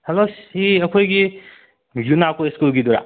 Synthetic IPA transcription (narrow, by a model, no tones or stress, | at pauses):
helosiɐkʰojɡi | junakoeskulɡiduɾa̰